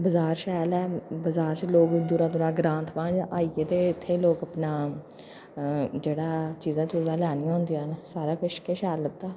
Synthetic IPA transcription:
bəzaːɾʃɛːlɛːbəzaːɾt͡ʃloːkd̪uːɾãːt̪ʊɾãːɡɾãːnt̪ʰʋãːd͡ʒʔaːiet̪eːɪt̪ʰːeːloːkəpnaː | d͡ʒeːɽaːt͡ʃiːzãːt͡ʃːzãːlaːnɪjãːɦʊ̃nd̪ijãːnsaːɾaːpʰɪʃkeːʃɛːlət̪ːaː

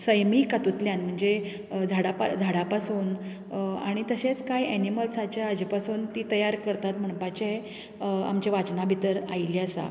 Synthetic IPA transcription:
səjmikat̪ut̪ljãnm̤əɳd͡ze | d͡zʱaɽapa̰d͡zʱaɽapasuːn | a̰ɽ̃it̪əɕet͡skajɛniməlsat͡ɕjaəd͡ʑpasuːnt̪iːt̪əjaɾkəɾt̪at̪m̤əɳpat͡ɕee | a̰mt͡ɕaʋat͡ɕnabʱit̪əɾa̰jliasa̰

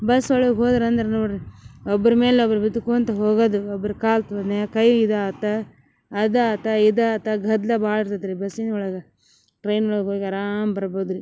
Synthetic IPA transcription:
bɐsɔɭɐɡeɦoːd̪ɐɾɐnd̪ɐɾenuɾiɔbːɐɾɐmeːleobɐɾubid̪ukuɐnt̪ɐɦoːɡɐd̪uɔbːɐɾɐkaːlt̪ʋɐnekɐjid̪ɐɐt̪ːɐː | d̪ɐt̪ːɐid̪ɐt̪ːɐɡʱɐd̪lɐbaːɭiɾt̪ɐd̪ɾibɐsinɔɭɐɡɐ | ʈɾɐjnɔɭɐɡɦoːɡɐɾaːmbɐɾɐboːd̪ɾi

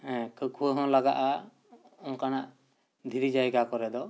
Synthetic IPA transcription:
ɛ̃kəkʰuəɦɔ̃laɡaʔa | ɔŋkanaʔ | d̪ʱiɾid͡ʒajɡakɔɾɛd̪ɔ

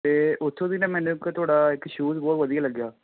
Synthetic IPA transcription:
t̪eːʔʊt̪ʰːõːd̪inãːmɛ̃ːnũːkt̪ʰoːɽaːɪkːʃuːzbɔːt̪ʋəd̪ijaːləɡːjaː

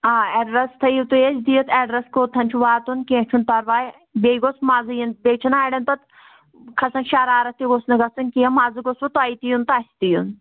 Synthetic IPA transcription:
aːɛɖɾɐst̪ʰɐjiwt̪uet͡ʃʰd̪ijot̪ʰɛɖɾɐskoːt̪ʰɐnʲt͡ʃʰuʋaːt̪unkẽːt͡ʃʰunpɐɾʋaːj | beːɡosmaːzɨjinbeːt͡ʃʰɐnaːɖɐnt̪ɐt̪ | kʰɐsɐnʃaːɾaːɾɐt̪iɡosnɨɡɐsɨnʲkijɐmaːzɨɡosʋɐt̪aːit̪ijunt̪aːsʰʲt̪ijun

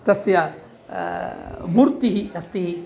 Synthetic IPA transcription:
t̪ɐsjɐ | muɾt̪iɦiɐst̪ii

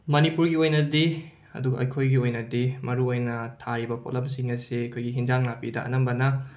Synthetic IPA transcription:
mɐnipuɾɡiojnɐdi | ɐ̰duɡɐʔɐ̰jkʰojɡiojnɐdimɐɾuojnɐtʰaɾibɐpʰo̰lɐmsiŋɐseɐkʰojɡiɦinzaŋnapidɐʔɐ̰nɐmbɐnɐ

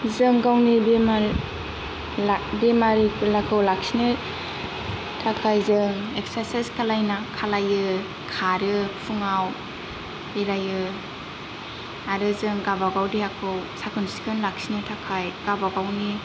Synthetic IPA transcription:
zɯŋɡawnibema | bemaɾikʰɯlakʰɯwlak̚sinɯ | tʰakʰajzɯŋeksaseskʰalajnakʰalajɯ | kʰaɾɯpʰuŋaw | eɾajɯ | aɾɯzɯŋɡabaɡawdihakʰɯwsakʰɯnsi̥kʰɯnlak̚sinɯtʰakʰajɡ̥abaɡawni

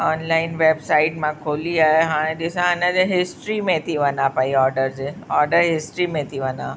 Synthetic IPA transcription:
ɔːnlaɪnʋebsaɪʈmãkʰoliaɦeɦãɽ̃ẽd̪isãənãd͡ʑeɦɪsʈɾimẽt̪ʰiʋənãpaiɔɾɖəɾd͡ʑeɔɾɖəɾɦɪsʈɾimẽt̪ʰiʋənã

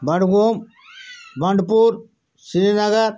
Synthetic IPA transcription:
bɐɽɡoːm | bɐɳɖpuɾ | siɾinɐɡɐɾ

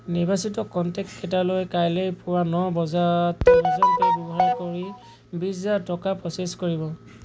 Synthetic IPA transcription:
nibasitɔkɔntɛkskɛtalojkajlejpʊwanɔbɔzatːɔbazɔntɔbɛbɔɦaɹkoɹi | bizatɔkapɹɔseskoɹibɔ

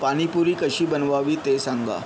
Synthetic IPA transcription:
paɽ̃ipuɾiːkəɕiːbənʋaʋiːt̪esaŋɡa̰

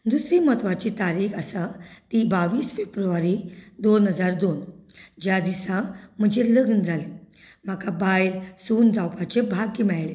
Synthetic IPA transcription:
d̪usɾimət̪ʋat͡ɕit̪aɾiːkəsat̪iːbaʋiːsfebɾuʋaɾiːd̪onɦəd͡zaɾd̪ond͡ʑjad̪isam̤əd͡ʑeləɡnd͡zʱale | m̤akabajlsuːnd͡zawpat͡ɕebʱaɡːimɛɭɭe

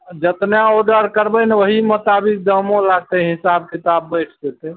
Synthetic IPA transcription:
d͡ʒət̪naoɖəɾkəɾbənewəɦimut̪abik̚d̪əmõlaɡ̚t̪ɛɦisab̚kit̪abːət͡ʃʰd̪et̪ɛ

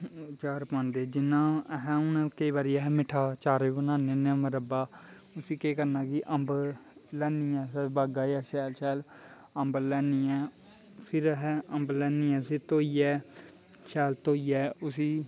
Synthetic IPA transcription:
t͡ʃaːɾpãːnd̪eːd͡ʒɪnːãːɦɛ̃ːʊnãkəiːʋaːɾiːaːɦɛmɪʈʰaːt͡ʃaːɾeːbənãːnẽːneːməɾəbaː | ʊsiːkeːkəɾnaːkɪʔəmblɛːniːɛːsəbaːɡaːjaːʃɛːlʃɛːl | əmbəlɛːniːɛː | pʰɪɾɦɛːəmblɛːniːɛ̃ːsit̪oːiːɛː | ʃɛːlt̪oːiːɛːʊsiː

